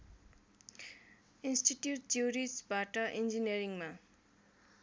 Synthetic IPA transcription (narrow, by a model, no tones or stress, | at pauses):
insʈiʈjuʈ̚d͡ʒuɾisbaʈʌʔind͡ʒiniʌɾiŋma